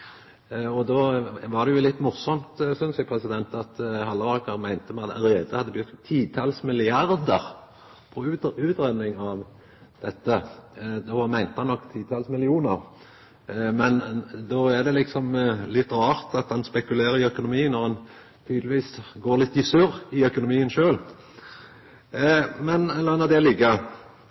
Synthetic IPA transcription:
ɔd̪oːʋɑʁd̪ɛjʊlɪt̪ːmʊʁsɔmt̪sʏnsjæpʰʁɛsɪd̪ɛnt̪ɑt̪hɑlːəʁɑːkɑʁmæɪnt̪əmɑd̪ʁeːd̪əhɑd̪ːəbjʉt̪ːt̪ʰːiːt̪ʰɑlsmɪlɪɑɾd̪əʁ | pʰɔʉːt̪ʉːt̪ɾɛd̪nɪŋɑʋ | d̪̥ɛt̪ːəd̪omæɪnt̪əhɑnːɔkːt̪ʰiːt̪ʰɑːlsmɪlɪuːnəʁ | mɛnd̪oːæd̪ɛlɪksɔmlɪt̪ːɾɑːʁt̪ɑt̪hɑnspɛkʉleːɾəɾɪœkʊnʊmiːnɔʁɑn | t̪ʰyːd̪ləʋiːsɡoːɾlɪt̪ːɪsʉʁɪœkʊnʊmiːənʃøːl | mɛnɛlːənɔd̪ɛlɪɡːə

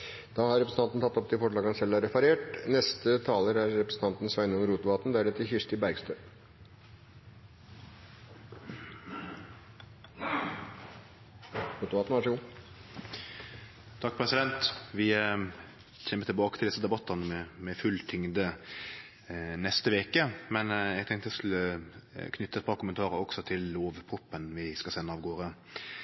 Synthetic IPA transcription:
d̪̥ɑːhɑɾɛpɾəsn̩ɑnt̪n̩t̪ɑt̪ːɔp̚t̪ʰɪlfɔʂɭɑːɡɑnsɛlːæɾɛfɑɾeːʈnɛst̪ət̪ʰɑːləɾæɾːɛpɾəsn̩t̪ɑnt̪n̩sʋæɪnɔŋɾuːt̪ʊʋɑːt̪n̩d̪æɾɛt̪ʰɪçɪʂʈ̪ɪbæɾɡst̪øː | ɾuːt̪ʊʋɑːt̪nʋɑʂɛɡuː | t̪ʰɑk̚ːpʰɾɛsɪd̪ɛnt̪ʋɪ | çeːməɾt̪ʰɪlbɑːkət̪ʰɪld̪ɪsəd̪ɛbɑt̪ːənəmɛmɛfʉlːt̪ʰʏŋd̪ə | nɛst̪əʋeːkəmɛnɛɡ̚t̪ʰɛŋt̪əʋɪskʉləkʰnʏt̪ːəɛt̪pɑɾkʰʊmənt̪ʰɑːɾəɾɔksɔt̪ʰɪlːoːʋpʰʁʊpːənʋɪskɑsɛnːəɑːʋɡoːɾə

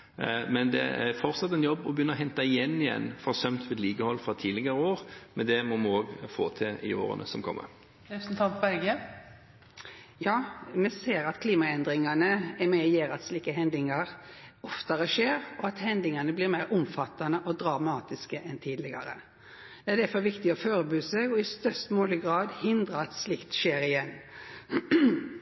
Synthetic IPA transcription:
mɛnd̪ɛ̰fɔɾsɑt̪ːɛnjɔbːɔbəjʏnːəɔɦɛnt̪ɑɪjɛnːɪjɛ̰nːfɾɑsœmt̪ʋɪd̪liːɡəhɔlfʁɑt̪ʰiːlɪɡɑɾəoːɾmɛnd̪ɛmɔmɛoːɡfo̰ːt̪ʰɪlɪ̰o̰ːɾə̰nə̰sɔmkʰɔ̰mːə̰ɾ | ɛsn̩t̪ʰɑnt̪ɛɡə | jɑːmɛseːɾɑt̪kʰliːmɑɛnd̪ɾɪŋɑnəɛɾmɛjeːɾɑt̪sliːkəɦɛnd̪lɪŋɑʁɔft̪əɾəʂeːɾɔɑt̪hɛnd̪lɪŋɑnəblɪɾmæɪɾʊmfɑt̪ːɑnəʔɔd̪ɾɑmɑːt̪ɪskəʔɛnt̪ʰiːd̪lɪɡɑ̰ɾə̰ | d̪̥ɛæɾdæfɔɾʋɪkt̪ɪɔføːɾəbʉːsɛɡɔɪst̪œst̪moːləɡɾɑːd̪hɪnd̪ɾəɑt̪slɪkt̪ʃeːɾɪjɛnː

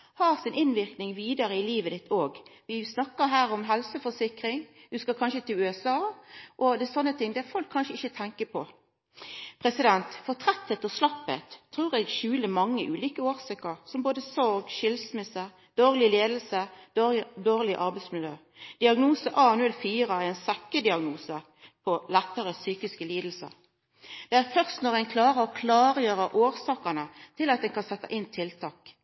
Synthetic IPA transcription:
hɑːʁsɪnɪnʋɪʁknɪŋʋiːd̪ɑɾəɪliːʋəd̪ɪt̪ʰːoːɡʋɪsnɑkːəɦæːɾɔmɦɛlsəfɔsɪkʁɪŋd̪ʉskɑkʰɑnʃət̪ʰɪlʉːɛsɑːʔɔd̪ɛsɔnːət̪ʰɪŋd̪ɛfɔlkʰːɑnʃəɪçət̪ʰɛŋkəpʰɔ | pʰʁɛsɪd̪ɛnt̪fɔʁt̪ʰʁɛt̪ːət̪ɔslɑpːə̰t̪ʰːʁuːʁɛɡʃʉːləmɑŋːəʔʉːliːkəoːʁsɪkəɾsɔmboːd̪əsɔɾɡʃɪlsmɪsə | d̪̥oːʁlɪleːd̪əl̩sə | d̪oːʁlɪʔɑɾbɛɪsmɪljøː | d̪̥ɪɑɡnuːsəʔɑːnʉlfiːʁəæɛnsɛkːəd̪ɪɑɡnuːsə | pʰɔlɛt̪ːəʁəsyːkɪskəliːd̪l̩sə̰ʁ | d̪̥ɛæːʁfœʁst̪nɔʁɛnkʰlɑːʁəɾɔkʰlɑːʁjøːʁəʔoːʁsɑːkənət̪ʰɪlɑt̪̚d̪ɛnkɑnsɛt̪ːɑʔɪnːt̪ʰɪlt̪ʰɑːk

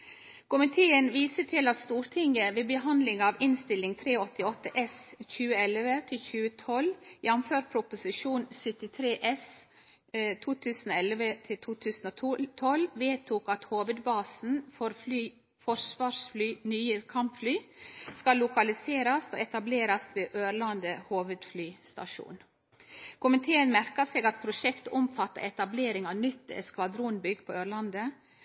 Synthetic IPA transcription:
kʊmɪt̪ʰeːənʋiːsət̪ʰɪlɑt̪st̪uːɾt̪ʰɪŋəʋeːbəɦɑnd̪lɪŋɑːʋɪnst̪ɪlɪŋt̪ʰɾeːɔt̪ɪɔt̪ːəʔɛsçʉːəɛlʋət̪ʰɪlçʉːət̪ʰɔljɛmmføːɾpʰɾʊpʊsɪʃuːnsʏt̪ɪt̪ʰɾeːʔɛs | t̪ʰuːt̪ʰʉːsn̩ːɛlʋət̪ʰɪlt̪ʰuːt̪ʰʉːsn̩oːt̪ʰːt̪ʰɔlʋeːt̪ʰuːkɑt̪hoːʋəd̪bɑːsn̩fɔɾflyː | fɔɾsʋɑːɾsflyːnyːəkʰɑmpflyːskɑlːʊkɑlɪseːɾɑst̪o̰ːɛt̪ɑbleːɾɑst̪ʋeːʔøːɾlɑnd̪əhoːʋəd̪flyːst̪ɑ̰ʃṵːn | kʊmənt̪ʰeːənmæɾkɑseːɡɑt̪̚pʰɾʊʃɛkt̪ʊmfɑt̪ːə̰ɾʔɛt̪ɑbleːɾɪŋɑʋnʏt̪ːɛ̰skʋɑd̪ɾuːnbʏɡpʰoːøːɾlɑnd̪ə

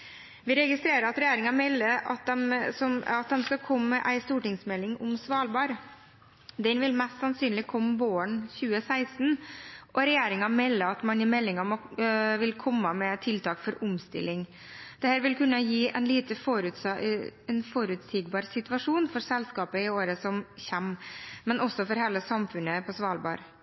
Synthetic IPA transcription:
ʋɪɾɛɡɪst̪ɾeːɾəɾɑt̪ɾɛjeːɾɪŋɑmɛlːəɑt̪̚d̪ɛmsɔmɑt̪̚d̪ɛmskɑkʰɔmːəʔæɪst̪uːʈɪŋsmɛlːɪŋʊmsʋɑːlbɑːɾ | d̪ɛnʋɪlmɛst̪sɑnsyːnlɪkʰɔmːəboːəɳçʉːəsæɪst̪nʔɔɾɛjeːɾɪŋɑmɛlːəɑt̪mɑnjɪmɛlːɪŋɑmɔʋɪlkʰɔmːəmɛt̪ʰɪlt̪ʰɑːkfɔɾʊmst̪ɪ̰lːɪŋ | d̪̥ɛhæːɾʋɪlkʉnːəjiːʔæ̰ɪnliːt̪əfoɾʉt̪ɛnfoɾʉt̪siːɡbɑːɾsɪt̪ʉʋɑʂuːnfɔɾsɛlskɑːpəɪoːɾəsɔmçɛmmɛnʔɔsːɔfɔɾhɛlːəsɑmfʉnəpʰɔsʋɑːlbɑ̰ːɾ

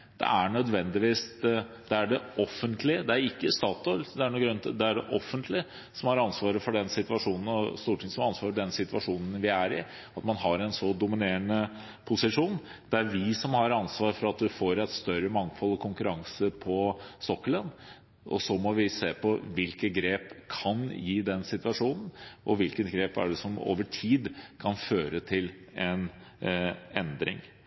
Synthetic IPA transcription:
d̪̥ɛ̰æɳœd̪ʋɛnd̪ɪʋiːsd̪̥ɛæɖɛʔɔfːənt̪ʰlɪd̪ɛæɾɪkːəst̪ɑːt̪ɔld̪ɛæɳuːɡɾœnt̪d̪ɛæɖɛʔɔfːənt̪ʰlɪ | sɔmhɑɾɑnsʋɑːɾəfɔɖɛnsɪt̪ʋɑʂuːnn̩ɔst̪uːʈʰɪŋsɔmɑnsʋɑːɾfɔɖɛnsɪt̪ʋɑʂuːnən̩ʋɪæɾɪ | ɑt̪mɑnɦɑɾɛnsɔd̪ʊmɪneːɾəɳə | pʰʊsɪʂuːn | d̪̥ɛæɾʋɪsɔmhɑɾɑnsʋɑːɾfɔɾɑt̪̚d̪ʉfoːɾɛt̪st̪œɾəmɑŋfɔlːˠɔkʰʊŋkʉɾɑŋsəpʰɔsɔkːələn | ʔɔ̰sɔmɔʋɪseːpʰɔʋɪlkəɡɾeːpkʰɑnjiːd̪ɛnsɪt̪ʋɑʂuːnən̩ʔɔ̰ʋɪlkət̪ɡɾeːpæ̰ɖɛsɔmo̰ːʋəʈʰiːd̪kʰɑnføːɾət̪ʰɪl | ɛn | ɛnd̪ɾɪ̰ŋ

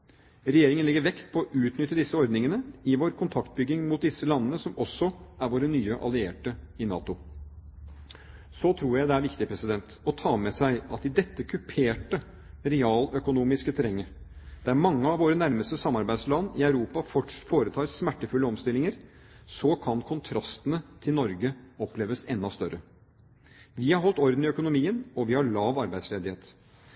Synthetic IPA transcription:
ɾɛjeːɾɪŋənlɪɡːəɾʋɛkt̪pʰɔːʔʉːt̪nʏt̪ːəd̪ɪsːəɔɾd̪nɪŋənəɪʋoːɾkʰʊnt̪ʰɑkt̪̚bʏɡːɪŋmʊt̪̚d̪ɪsːəlɑnːənəsɔmɔsɔæɾʋoːɾənyːəʔɑ̰lɪḛːʈəɪnɑ̰ːt̪ʊ | sɔt̪ʰɾuːɾjæɪd̪ɛæɾʋɪkt̪ɪəpʰɾɛsɪd̪ɛnt̪ɔt̪ʰɑːmɛsæɪɑt̪ɪd̪ɛt̪ːəkʰʉpʰeːʈə | ɾɛɑːlœkʊnuːmɪskət̪ʰɛɾɛŋːə | d̪̥æɾmɑŋːəɑʋoːɾənæɾməst̪əsɑmːɑɾbæɪd̪slɑnːɪæʉɾuːpɑfɔʂfoːɾət̪ʰɑːɾsmæʈːəfʉlːəɔmst̪ɪlɪŋəɾsɔkʰɑnkʰʊnt̪ʰɾɑst̪ənət̪ʰɪlnɔɾɡəɔpleːʋəsɛnd̪ɑst̪œɾʔə | ʋɪhɑɾɦɔlt̪ɔɾd̪n̩ɪœkʊnʊmiːənɔʋɪhɑɭɑːʋɑɾbæɪd̪sleːd̪ɪheːt̪

